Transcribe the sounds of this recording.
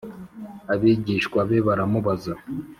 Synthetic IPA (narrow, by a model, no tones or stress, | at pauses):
aβiɟiʃkwaβeβaɾamuβaza